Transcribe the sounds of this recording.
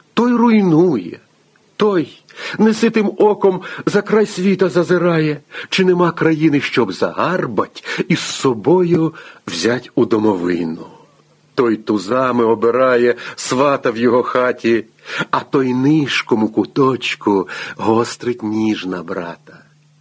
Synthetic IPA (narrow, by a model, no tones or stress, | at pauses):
t̪ɔjrʊjnujɛ̰ | t̪ɔj | nɛsɪt̪ɪmɔkɔmzɐkɾɑjsʲʋʲit̪ɐzɐzɪɾɑjɛt͡ʃɪnɛmɑkɾɐjinɪʃt͡ʃɔbzɐ̰ɦɑrbɐtʲisːɔbɔjʊwzʲatʲʊd̪ɔmɔʋɪnʊ | t̪ɔjt̪ʊzɑmɪɔbeɾɑjɛsʋɑt̪ɐwjɔɦɔxɑtʲi | ɐt̪ɔjnɪʃkɔmʊkʊt̪ɔt͡ʃkʊɦɔst̪ɾɪtʲnʲiʒnɐbɾɑt̪ɐ̥